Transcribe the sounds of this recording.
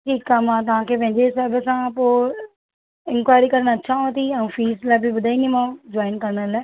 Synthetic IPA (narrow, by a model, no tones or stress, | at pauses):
ʈʰiːkaːmãːt̪̬ãːkep̬ɛ̃ːnd͡ʒeːsɛːbəsãːpoː | ɪnkwaːjɾiːkəɾnaːətːʃʰaːõt̪iːəũːfʰiːslɛːpiːbəd̪aːiːnĩːmãːd͡ʒaːɪnkəɾnalɛː